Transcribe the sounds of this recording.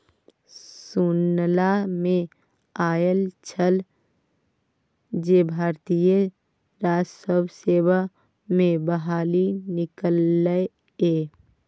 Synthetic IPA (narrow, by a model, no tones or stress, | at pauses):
sunlamẽ | aːjəlt͡ʃʰəl | d͡ʒebʱaːɾt̪ijə | ɾaːd͡ʒsəbʱseːwa | mẽbəɦaːlinɪkəlːəe | eː